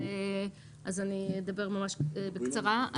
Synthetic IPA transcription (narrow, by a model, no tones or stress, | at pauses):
e | ʔazanied̪abe̞ʁmamaʃbekt͡saʁaa